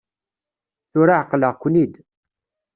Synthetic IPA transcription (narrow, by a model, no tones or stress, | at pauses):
θʊɾaʕəqːləʁkʷːnid̪